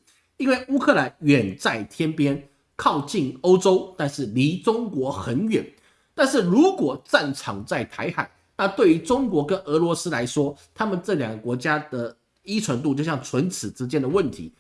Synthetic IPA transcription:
i˥nwe˥˩ɪʔu˥kʰɤ˥˩la˧˦nɥɛ˨˩nt͡sa˥˩ɪt̪ʰjɛ˥npjɛ˥n | kʰɑ˥˧ʊt͡ɕi˥˩no˥ʊʈ͡ʂo˥ʊt̪a˥˧nʂɻ̩˥˩li˧˥ʈ͡ʂʊ˥ŋkwɔ˧˥xə˧˥nɥɛ̰˨˩˦n | t̪a˥˧nʂɻ̩˥˩ɻu˧˥kwɔ˨˩t͡sa˥˩nʈ͡ʂʰɑ˨˩ŋt͡sa˥˩ɪt̪ʰa˧˥ɪxa˨˩ɪ | na˥˧t̪we˥˩ɪy˧˥ʈ͡ʂʊ˥ŋkwɔ˧˥kə˦˥nʔɤ˧˥lwɔ˧˥sɹ̩˥la˧˥ɪʂwɔ˥t̪ʰa˥mə˨nʈ͡ʂɤ˥˩ljɑ˨˩ŋɡə˦˩kwɔ˧˥t͡ɕja˥d̪̥ə˨ | i˥t͡sʰə˧˥nt̪u˥˧t͡ɕo˥˧ʊɕjɑ˥˩ŋt͡sʰwə˧˥nt͡sʰɹ̩˨˩ʈ͡ʂɻ̩˥t͡ɕjɛ˥nd̪ə˨wə˥˩nt̪ʰḭ˧˥˦

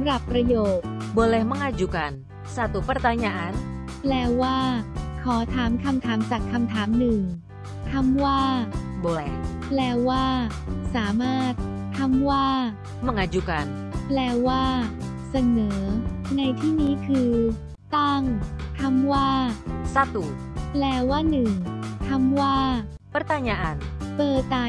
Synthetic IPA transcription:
smɾa˨˩pːɾa˧joː˨˩t̪̚bo˧lɛ˧˩ma˥˩ŋʔa˧d͡ʒu˨˩ka˧n | saː˧˩t̪u˨˦pɾa˧t̪aː˧ɲa˧ʔa˧˦n | plɛː˧waː˥˩kʰɔː˩˦t̪ʰaː˩˦mkʰa˧mt̪ʰaː˩˦mt͡ɕaː˨˩kʰːa˧mt̪ʰaː˩˦mnɯ˨˩ŋ | k̪ʰa˧˥mwaː˥˩bo˧lɛ˧plɛː˧waː˥˩ | saː˩˦maː˥˩t̪̚ʰː | a˧˥mwaː˥˩ | ma˧˩ŋʔa˧˩d͡ʒu˧ka˧n | plɛː˧waː˥˩ | sa˧nɤː˩˦na˧jt̪ʰiː˥˩niː˦˥kʰɯː˧ | t̪a˥˩ŋt̪ʰa˧mwaː˥˩sa˧t̪u˨˩ | plɛː˧waː˥˩nɯ˨˩ŋt̪ʰa˧mwaː˥˩ | pɾa˦˧t̪a˧nɲa˧ʔa˧npɤː˨˩aː˧

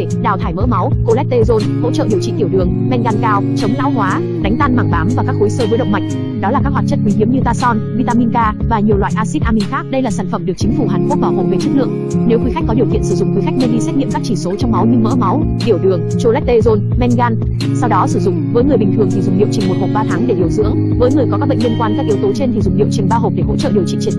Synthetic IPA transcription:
ɗaː˨˩wt̪ʰaː˧˩jmə̰ː˧˥ma˨˦wko˧lɛ˦˥t̚t̪e˧zo˧nho̰˧˥t͡ɕə̰ː˧˨ɗi˨˩əwt͡ɕḭ˧˨t̪i˧˩əwɗɨ˨˩əŋmɛ˧nɣaː˧nkaː˧wt͡ɕə˨˦wŋ͡mza̰ː˧˥wɦwaː˨˦ | ɗa˨˦jŋ̟t̪aː˧nmaː˧˩ŋvaː˨˦mvaː˨˩kaː˦˥k̚xo˨˦jsəː˧və˨˦jɗə˧˨wŋ͡mma˨˩jk̟̚ | ɗɔ˨˦laː˨˩kaː˦˥khwaː˨˩t̚t͡ɕə˦˥t̚kwi˨˦ŋ̟ɦi˨˦əmɲɨ˧t̪aː˧sɔ˧nvi˧t̪aː˧mi˧nkaː˧vaː˨˩ɲi˨˩əwaː˧˨jʔaː˧si˦˥t̚ʔaː˧mï˧ŋ̟xaː˦˥k̚ɗə˧jlaː˨˩saː˧˩nfə˧˩mɗɨ˨˩ək̚t͡ɕi˨˦ŋ̟fu˧˩ɦaː˨˩nku˦˥k̚ɓaː˧˩wɦo˨˩ŋ͡mve˨˦t͡ɕɨ˦˥k̚lɨ̰˧˨əŋ | ne˨˦wxwi˨˦xa˦˥k̟kɔ˨˦ɗi˨˩ət̪ḭ˧˨ənsɨ˧˩zʊ̰˧˨ŋ͡mxwi˨˦xa˦˥k̟̚nə˧nɗi˧sɛ˦˥t̚ŋḭ˧˨mkaː˦˥k̚t͡ɕi˧˩so˨˦t͡ɕɔ˧wŋ͡mma˨˦wɲɨ˧mə̰ː˧˥ma˨˦w | ɗi˧˩əwɗɨ˨˩əŋt͡ɕo˧lɛ˦˥t̚t̪e˧zo˧nmɛ˧nɣaː˧n | sa˧wɗɔ˨˦sɨ˧˩zʊ̰˧˨ŋ͡mvəː˨˦jŋɨ˨˩əjɓï˨˩t̪ʰɨ˨˩əŋt̪ʰi˨˩zʊ˨˩ŋ͡mɗḭ˧˨əwt͡ɕï˨˩ŋ̟mo˨˩t̚ho˨˩k͡p̚ɓaː˧˩t̪ʰaː˨˦ŋɗe˧˩ɗi˧˩əwzɨ̰˧˥əŋ | vəː˨˦jŋɨ˨˩əjkɔ˨˦ka˦˥k̚ɓ̰ə˧˨ŋli˧nkwaː˧nkaː˦˥k̚i˨˦wt̪o˨˦t͡ɕe˧nt̪ʰi˨˩zʊ˨˩ŋ͡mɗḭ˧˨əwt͡ɕï˨˩ŋ̟ɓaː˧ɦo˨˩k͡p̚ɗe˧˩ho̰˧˥t͡ɕə̰˧˨ɗi˨˩əwt͡ɕḭ˧˨t͡ɕi˧˩

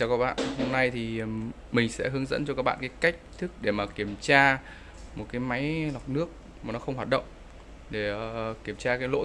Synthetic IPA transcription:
t͡ɕɔ˧kaː˦˥k̚ɓa̰ː˧˨nho˧mna˧jt̪ʰi˨˩ | mï˨˩ŋ̟sɛ̰˧˥ɦɨ˨˦əŋzə̰˧˥nt͡ɕɔ˧kaː˦˥k̚ɓa̰ː˧˨˩kːa˨˦jka˦˥jk̟̚t̪ʰɨ˦˥k̚ɗe˧˩maː˨˩ki˧˩əmt͡ɕaː˧ | mo˨˩t̚kaː˨˦jma˨˦jlwa˨˩t̚nɨ˦˥ək̚ | maː˨˩nɔ˨˦xə˧wŋ͡mhwaː˨˩t̚ɗə̰˧˨wŋ͡mʔ | ɗe˧˩ki˧˩əmt͡ɕaː˧kaː˨˦jlo̰˧˥

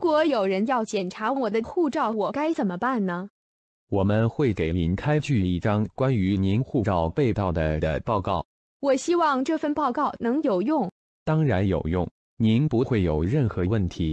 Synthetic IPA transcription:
kwɔ˧˥jo˨˩ʊɻə˧˥njɑ˥˩ʊt͡ɕjɛ˨˩nʈ͡ʂʰa˧˥wɔ˨˩d̪ə˦xu˥˧ʈ͡ʂɑ˥˩ʊwɔ˨˩ka˥ɪt͡sə˨˩nmə˦pa˥˩nnə˩ | wɔ˨˩mə˦nxwe˥˩ɪke˨˩ɪli˧˥nkʰa˥ɪt͡ɕy˥˧i˥˩ʈ͡ʂɑ˥ŋkwa˥ny˧˥ni˧˥nxu˥˩ʈ͡ʂɑ˥˧ʊpe˥˧ɪt̪ɑ˥˩ʊd̪ə˩d̪ə̰˦pɑ˥˧ʊkɑ̰˥˩ʊ | wɔ˨˩ɕi˥wɑ˥˧ŋʈ͡ʂɤ˥˧˩fə˥˧npɑ˥˧ʊkɑ˥˩ʊnɤ˧˥ŋjo˨˩ʊjʊ˥˩ŋ | t̪ɑ˥ŋɻa˧˥njo˨˩ʊjʊ̰˥˩ŋ | ni˧˥npu˧˥xwe˥˩ɪjo˨˩ʊɻə˥˩nxɤ˧˥wə˥˩nt̪ʰi˧˥

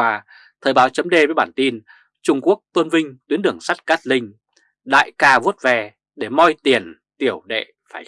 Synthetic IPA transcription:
aː˧ | t̪ʰəː˧˩jɓaː˨˦wt͡ɕə˨˦mɗe˧vəː˨˦jɓaː˧˩nt̪i˧n | t͡ɕʊ˧ŋ͡mku˦˥ək̚t̪wə˧nvï˧ŋ̟t̪wi˨˦ənɗɨ˧˩əŋsa˦˥jt̚kaː˦˥t̚lï˧ŋ̟ | ɗa̰ː˧˨jkaː˧vu˦˥t̚vɛ˧˩ | ɗe˧˩mɔ˧jt̪i˨˩ən | t̪i˧˩əwɗḛ˧˨ | faː˧˩j

